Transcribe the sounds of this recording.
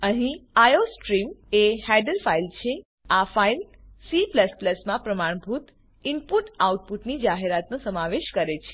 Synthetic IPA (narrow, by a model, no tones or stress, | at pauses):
əɦĩajosʈɾimehɛɖəlfailt͡ʃʰe | afail | sipləspləsmãpɾəmaɽ̃bʱut̪ | ɪmpuʈauʈ̚puʈnid͡ʒaɦeɾat̪nõsəmaʋeʃkəɾet͡ʃʰe̥